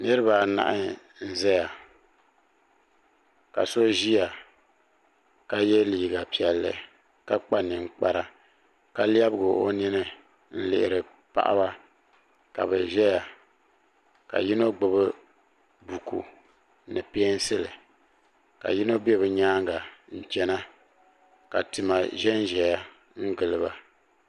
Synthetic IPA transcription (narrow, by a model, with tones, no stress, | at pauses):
nɨ˦ɾɨ˦ba˨na̰˨ʔɪ˦ | n̩˦zɛ˦ja˨ | ka̰˨so˦ʒi˦ja˨ | ka˦jɛ˦liː˨ɡa˨pi˨ɛ˨lːɨ̰˨ | ka˦k͡pa˦nɨ˨ŋ͡m̩˦˨k͡pa˨ɾa˨ | ka˦li˦a˦bɨ˦ɡʊ˨ʔo˦nɪ˦nɨ˦ | n̩˦lɪ̰˨ʔɪ˨ɾɨ˨ | pa̰˨ʔa̰˦ba˦ | ka̰˨bɛ˨ʒɛ˦ja˨ | ka̰˨ji˦no˦ɡ͡bɨ˨bɨ˦ | bu˨kʰṵ˨ | nɨ˨pe˦ɛ˦n˦sɨ˦lɨ˨ | ka̰˨ji˦no˦bɛ˦bɨ˨ɲaː˦ŋɡa˨n̩˨t͡ʃɛ˦na˦ | ka̰˨tɨ˨ma˨ʒɛ˦nʒɛ˨ja˨ | ŋ̩˦ɡɨ˨lɨ˦ba˨